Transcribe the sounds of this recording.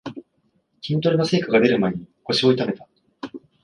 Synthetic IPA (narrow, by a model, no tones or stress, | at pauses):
kʲĩnt̪o̞ɾinose̞ːkaɡad̪e̞ɾɯ̟maeɲ̟iko̞ɕio̞it̪ame̞t̪a